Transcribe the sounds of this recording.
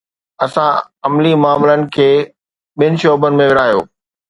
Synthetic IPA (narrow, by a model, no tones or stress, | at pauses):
ɐsã | ɐmlimʊaːmlənɪ̆kʰeː | ɓiɪnɪ̆ʃoːbənɪ̆mẽʋɪɾaːɦijo̰ː